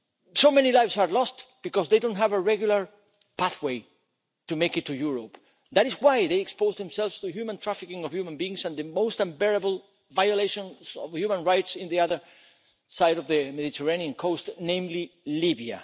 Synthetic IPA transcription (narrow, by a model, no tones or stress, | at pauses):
soʊmɛ̃nilajvsaɹlɔstb̥ikɔsðeɪdõntɦævəɹɛɡjulaɹ | paθweɪ | tumeɪkɨtʰːujuɹop | ðæɾɪswajðejɛkspoʊzðɛ̃msɛlvstuhjumãntʰɹ̥afɪkɪ̃ŋɔv̥hjumə̃nbiɪ̃ŋsãnðɨmoʊstãmbɛɹabl̩ˠ | vajoleʃõnsɔ̰vhjumə̃nɹajtsɪ̃nðiaðə˞ | sajɾɔvðɨmeðitʰəɹãniãnkʰostnẽɪ̃mlilibia̰